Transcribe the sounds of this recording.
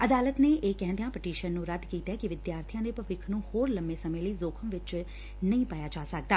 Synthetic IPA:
əd̪aːlət̪neːʔeːkɛ̃ːnd̪ejãːpɪʈiːʃənːũːɾəd̪kiːt̪ɛːkɪʋɪd̪jaːɾt̪ʰijãːd̪eːpəʋɪkʰnũːhoːɾləmːeːsəmẽːləiːzoːkʰəmʋɪt͡ʃ | nəĩːpaːjaːd͡ʒaːsək̚d̪aː

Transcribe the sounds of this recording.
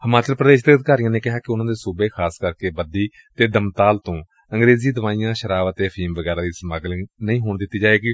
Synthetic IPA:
həmaːt͡ʃəlpɾəd̪eːʃd̪eːəd̪kaːɾijãːneːkɪɦaːkɪʊnãːd̪eːsuːbeːkʰaːskəɾkeːbəd̪iː | t̪eːd̪əmt̪aːlt̪õː | əŋɡɾeːziːd̪əʋaːijãːʃəɾaːʋət̪eːpʰiːmʋəɡɛːɾaːd̪iːsmaːɡlənəĩːɦoːɳd̪ɪt̪ːiːd͡ʒaːʋeːɡiː

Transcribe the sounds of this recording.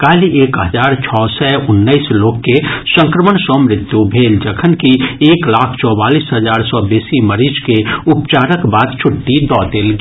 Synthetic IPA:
kaːliʔekɦəd͡ʒaːɾt͡ʃʰɔsɛʊnːəɪsloːkːesə̃ŋkɾəməɳsɔmɾɪt̪ːjubʱeːld͡ʒəkʰənkieːklakʰt͡ʃɔːbaːlisɦəd͡ʒaːɾsɔbeːsiməɾid͡ʒkeupt͡ʃaɾəkbaːd̪t͡ʃʰʊʈːid̪ɔt̪elɡ

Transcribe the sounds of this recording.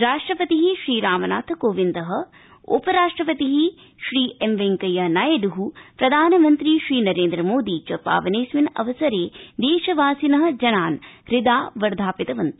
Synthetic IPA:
ɾaːʂʈɾɐpɐt̪iɦiʃɾiːɾaːmɐna̰ːt̪ʰkoːʋind̪ɐɦɐ̆ | o̰pɐɾaːʂʈɾɐpɐt̪iɦi | ʃɾiːemʋeŋkɐjɐnajɐd̪uɦupɾɐd̪ʱaːnɐmɐnt̪ɾiʃɾiːnɐɾeːnd̪ɾɐmoːd̪iːt͡ʃɐpa̰ːʋɐneːsʋinɐ̰ʋɐsɐɾeːd̪eːʃɐʋaːsinɐɦɐ̆d͡ʒɐnaːnɾɪd̪aːʋɐɾd̪ʱaːpit̪ɐʋɐnt̪

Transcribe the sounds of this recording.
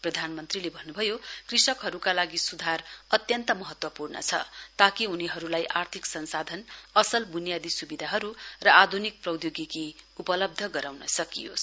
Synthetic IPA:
prʌd̪ʱanmʌnt̪rilebʱʌnːubʱʌjokrisʌkɦʌɾukalaɡisud̪ʱarʌt̪jʌnt̪ʌmʌɦʌt̪wʌpurnʌ̰t͡sʰʌ̰t̪akiuniɦʌɾulajʔart̪ʰiksʌnsad̪ʱʌnʌsʌlbʱunijad̪isubid̪ʱaɦʌɾurʌad̪ʱunik̚prʌw̪joɡikiupʌlʌb̚d̪ʱʌɡʌɾawnʌsʌkijo̰s

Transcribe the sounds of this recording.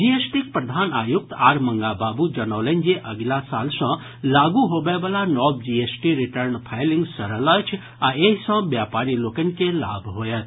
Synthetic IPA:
d͡ʒiesʈik̚pɾəd̪ʱanajuk̚t̪aɾməŋɡababud͡ʒənawlend͡ʒeʔəɡlasalsʌ̃ | laɡuɦobebəlanɔbd͡ʒiesʈiɾiʈəɾnpʰajliŋɡsəɾələt͡ʃʰ | aeɦisə̃bjapaɾilokənikela̰bʱɦojet̪

